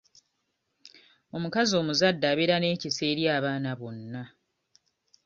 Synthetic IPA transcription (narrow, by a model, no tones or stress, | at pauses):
o̞mukazio̞ːmuzadːaːβeɾane̞ːcise̞ːɾjaːβaːnaβo̞nːa